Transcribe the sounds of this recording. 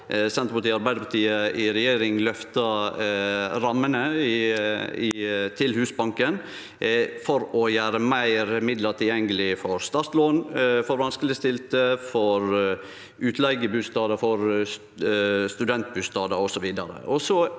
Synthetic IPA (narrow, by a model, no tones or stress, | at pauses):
sɛnt̪ɾəpɑʈ̪iːɑɾbæɪd̪əpɑʈ̪iːəɪɾɛjeːɾɪŋlœft̪ɑ | ɾɑmːənəɪ | ɪt̪ʰɪlhʉːsbɑŋkən | fɔɾɔjæːɾəmæɪɾmɪd̪ləɾt̪ʰɪljɛŋːəlɪfɔɾst̪ɑɾt̪loːnfɔɾʋɑnskəlɪst̪ɪlt̪əfɔɾ | ʉːt̪ʰlɛɪɡəbʉːst̪ɑːd̪əfɔɾs | st̪ʉd̪ɛnt̪̚bʉːst̪ɑːd̪ɑɾɔsɔʋiːd̪ɑɾə̰ʔɔsɔ